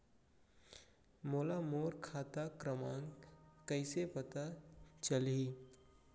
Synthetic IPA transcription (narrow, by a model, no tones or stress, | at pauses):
moːlamoːɾkʰaːt̪akɾəmãːŋɡkəɪsepət̪at͡ʃəlɦiː